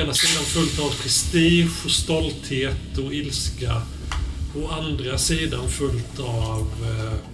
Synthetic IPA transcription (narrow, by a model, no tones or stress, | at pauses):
enasiːd̪anfɵlt̪avpʰɾɛst̪iːɧɔst̪ɔlt̪heːt̪ɔɪlska | ɔand̪ɾasiːd̪anfɵlt̪ʰɑv